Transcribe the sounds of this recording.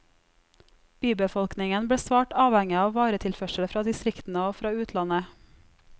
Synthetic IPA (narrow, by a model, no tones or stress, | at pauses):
b̥yːbəfɔlknɪŋənbɽeːsʋɑːʈɑːʋhɛŋɪɑːʋʋɑːɾət̪ʰɪlfœʃəɽfɾɑːd̪ɪst̪ɾɪkt̪n̩əoːfɾɑːʉːt̪ʰlɑnə